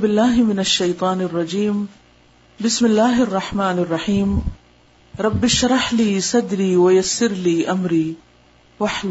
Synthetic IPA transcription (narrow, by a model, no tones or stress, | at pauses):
bɪlːaːɦmɪnaʃːajt̪ˤɑːnɑrˤːɑd͡ʒiːm | bɪsmɪlːaːɦʔɑrˤːɑħmaːnɑrˤːɑħiːm | ɾˤɑbːɪʃɑɾˤɑħliːsˤɑd̪ɾiːwajasːɪɾliːʔamɾiː | waħl